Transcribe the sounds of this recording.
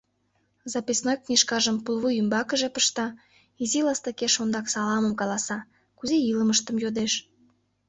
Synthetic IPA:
zɑpisnojknʲiʃkɑʒəmpulˠβujymbɑkəʒepə̥ʃt̪ɑ | izilɑst̪əkeʃond̪ɑksɑlɑməmkɑlɑsɑ | kuzeiləməʃt̪əmjod̪eʃ

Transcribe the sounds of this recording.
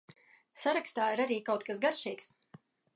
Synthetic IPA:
saɾakst̪aːiɾaɾiːkawt̪̚kasɡaɾʃiːks

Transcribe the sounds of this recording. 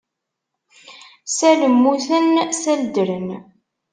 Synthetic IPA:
sæləmːuθənsæld̪əɾən

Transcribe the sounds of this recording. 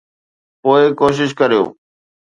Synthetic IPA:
poːɪkoːʃ̬ɪʃ̬kəɾijo̰ː

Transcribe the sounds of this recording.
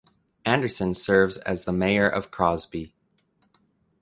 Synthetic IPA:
æ̃ndə˞sɨ̃nsɜ˞vzɨ̰zðəmeɪə˞ʔʌ̰v̥kʰɹ̥ɑzbi

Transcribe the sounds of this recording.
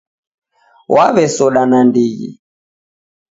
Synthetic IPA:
wʔaβɛsɔɗanandiɣḭ

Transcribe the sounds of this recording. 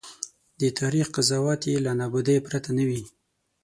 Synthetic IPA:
d̪ət̪aɾixqazɑwɑt̪jelanɑbud̪əjpɾat̪anawi

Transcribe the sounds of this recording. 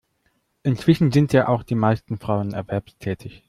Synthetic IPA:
ʔɪnt͡sv̥ɪʃn̩zɪntjaːʔaʊxd̥iːmaɪstn̩fʁ̥aʊənɛɐvɛɐpstʰɛːtʰɪç

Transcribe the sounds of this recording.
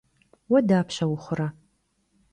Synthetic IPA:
wɐdaːpʰɕɐwʊχʷʊɾɐ

